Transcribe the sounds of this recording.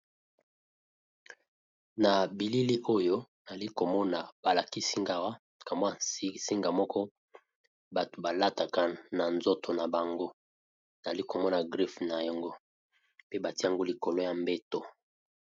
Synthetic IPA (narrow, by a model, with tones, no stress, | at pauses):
na˨bi˨li˦li˦ʔo˦jo˦n˨li˦ko˨mɔ˦na˨ba˨la˨ki˦si˦ŋɡa˨wa˦ | ka˨mbo˦a˨˦si˦ŋɡa˨mɔ˦kɔ˦ | ba˨to˨ba˨la˦ta˨ka˦na˨nzo˦tʰo˨na˨ba˨ŋɡo˦ | na˨li˦ko˨mɔ˦na˨ɡʁi˦fna˨jɔ˨ŋɡo˦ | pe˦ba˨ti˦a˦˨ŋɡo˦li˨ko˨lo˦ja˨mbe˦to˨